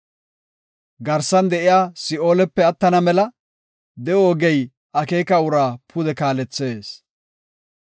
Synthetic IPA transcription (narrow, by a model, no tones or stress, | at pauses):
ɡɐɾsɐnd̪ɛʔɪjaːsɪo̞ːlɛpːɛɐt̪ːɐnɐmɛlɐ | d̪ɛoːɡɛj | ɐkeːkɐwʊɾaːpʰʊd̪ɛkaːlɛt͡sːeːs